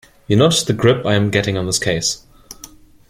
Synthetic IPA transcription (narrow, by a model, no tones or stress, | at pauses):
jənoðɨɡɹɪpaɪɨ̃mɡɛɾɪ̃ŋə̃nðɪskʰeɪs